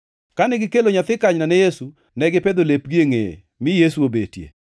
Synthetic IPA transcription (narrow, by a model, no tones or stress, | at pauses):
kanɪɡɪkeloɲat̪ɪkaɲnanɛjesu | nɛɡɪped̪olep̚ɡieŋḛ | mɪjesuobetjḛ